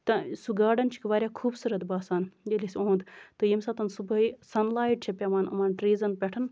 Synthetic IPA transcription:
t̪ɐsuɡaːɖɐnt͡ʃʰi̥kʋaːɾʲjaːkʰuːbsɨɾɐd̪baːsaːnjelʲisʲõːnd̪t̪ɨjimsɐt̪ɐnsubɐisɐnlaːjiʈ̚t͡ʃʰepʲɐʋaːnɐ̰maːnʈɾiːzɐnpʲɛʈʰɐn

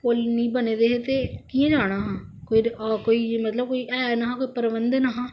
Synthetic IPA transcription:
kolnĩːbəneːd̪eːɦet̪eːkiãːd͡ʒaːɽ̃aːɦãːkoikoːiːmət̪ləb̚koːiːʔɛːnaɦãːkoːiːpəɾʋənd̪ənaɦãː

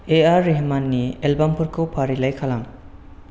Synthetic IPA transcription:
eaɾːiɦmanːielbampʰuɾkʰɯwpʰaɾilajkʰalam

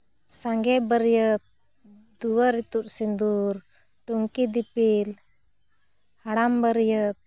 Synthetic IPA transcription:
saŋɡɛbəɾjət̪̚ | d̪uaɾit̪uʔ̚sind̪ur | ʈuŋkid̪ipil | haɽambəɾjət̪̚

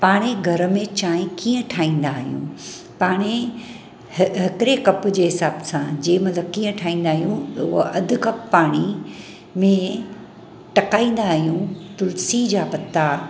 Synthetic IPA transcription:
paːɽ̃eɡʱɐɾ̆mẽt͡ɕaːɦɪ̃kiːə̃ʈʰaːĩːnd̪aːɦijṵ̃ | paːɽ̃e | ɦɪkɪɾekɐpʊ̆d͡ʑeːɦɪsaːbsãd͡ʑeːmɐt̪ləb̚kiːə̃ʈʰaːĩːn̆d̪aːɦijũt̪ʊɦoʔɐd̪ʱʊkɐpːaːɽ̃i | mẽ | ʈɐkaːĩːn̆d̪aːɦijũt̪ʊlsid͡ʑaːpɐt̪ːa

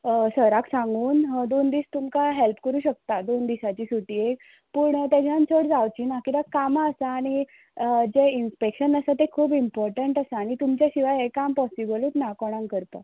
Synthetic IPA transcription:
səɾaksãŋɡuːnd̪ond̪iːst̪umkaɦelpkəɾuːɕək̚t̪ad̪ond̪isat͡ɕiːsuʈiek | puːɳt̪jad͡ʑʰjant͡səɽd͡zawt͡ɕiːnakit̪akamaəsaːɽ̃i | d͡ʑeinspekɕənəsat̪ekʰuːbimpɔɾʈəɳʈəsaːɽ̃it̪umt͡ɕjaɕiʋajekampɔsibəlit̪nakoɽ̃ãŋkəɾt̪a

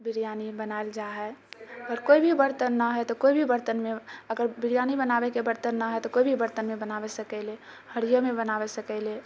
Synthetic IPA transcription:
bɪɾijanibənaeld͡ʒaɦɛɾkoːibʱibəɾt̪ənːaɦɛt̪okoibʱibəɾt̪ənmẽəɡəɾbɪɾijanibənabekebəɾt̪ənːaɦɛt̪okoːibʱibəɾt̪ənmẽbənaʋesəkɛle | həɾijomẽbənaʋesəkɛle

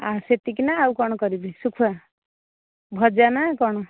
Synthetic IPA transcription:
aset̪ikinaaukɔɽ̃ɔkɔɾibisukʰua | bʱʌd͡ʒanakɔɽ̃ɔ

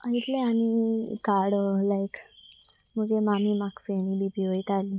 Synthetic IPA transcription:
əit̪leañikaɽlajk | məɡemamimaksañibibiʋojt̪ali

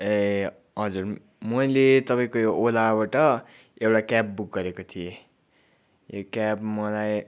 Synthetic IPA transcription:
e | ɦʌd͡zur | mʌjlet̪ʌpaĩkojoʔːlabaʈʌ | ewʈakap̚buk̚ɡʌɾekot̪ʰije | jokapmʌlaj

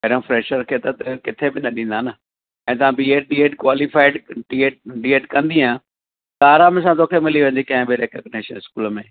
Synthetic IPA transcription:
kɐɾɦũfɾeːʃəɾkʰeːt̪ɐt̪ɐkɪt̪ʰebɪnɐɗĩːnd̪aːnə | ɛ̃ːt̪̬ɐʋ̤ãbiːeːʈ̚ɗieːʈkwaːlifaːɪɖɖieːʈ̚ɖieːʈkɐ̃nd̪iãː | t̪aːɾaːmɪsãt̪oːkʰemɪliʋɐ̃ːn̆d̪ikɐ̃ɦɪ̃bɪɾeːkəɡneːʃənskuːlmẽː

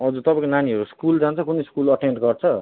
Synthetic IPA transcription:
ʌd͡zut̪ʌpãkonaniɦʌɾuskuld͡zant͡sʰʌkuneskulʌʈenʈɡʌrt͡sʰʌ

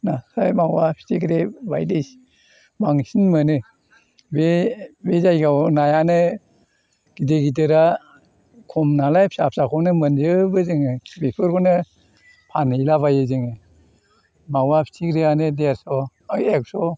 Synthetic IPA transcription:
nasajmawapʰi̥tʰikɾeba̰jdis | maŋsinmɯnɯ | bebezajɡawnajanɯ | ɡ̥ideɡit̬ɯɾa | kʰɔmnalajpʰisap̚sakʰɔnɯmɯnd͡ʒɯbɯzɯŋɯbepʰɯɾkɔnɯ | pʰanɯjlaβajɯzɯŋɯ | mawapʰi̥tʰikʰɾeanɯdeɾsɔ | ek̚sɔ

